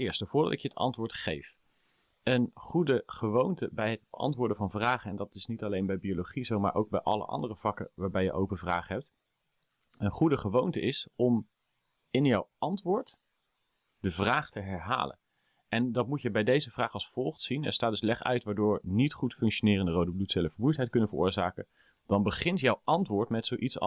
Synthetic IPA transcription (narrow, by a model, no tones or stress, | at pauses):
ɪːɹstəv̥ʊːɹdɑ̰tɪkjəətɑ̰ntʋʊːɹtχḛjf | ənχudəχəʋowntəbɛjɦədbəʔɑ̰ntʋʊːɹdəvɑnvraːχəɛndɑtɪsnitɑlejnbɛjbioloχizowma̰ːɹʔo̰wɡ̚bɛ̰jʔɑ̰lə̰ʔɑ̰ndərəvɑkə̰ʋaːɹbɛjə̰ʔowpənvra̰ːχəɦɛp̚t | ənχudəχəʋowntəɪsɔm | ɪnjɔwɑntʋʊːɹt | d̥əvraːχtəɦɛɹɦa̰ːlə̰n | ɛndɑt̚mutjəbɛjdejzəvraːχɑlˠsfɔlˠχtsinɛ̰ɹstaːtd̥ɵslɛχœ̰ɥtʋaːɹdʊːɹnitχutfʏŋkʃonɪːrəndərowdəblutsɛləfəmujtɦɛjt̚kɵnənvəɹʊ̰ːɹzaːkə | d̥ɑnbəχɪntjɔwʔɑntʋʊːɹtmɛtsowʔits